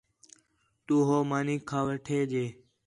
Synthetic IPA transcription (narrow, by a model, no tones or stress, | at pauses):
t̪uːɦoːmaːniːkʰːaːʋəʈʰeːd͡ʒeː